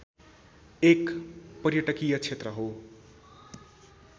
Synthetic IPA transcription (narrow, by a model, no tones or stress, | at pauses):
ekpʌɾjʌʈʌkijʌt͡sʰet̪rʌɦo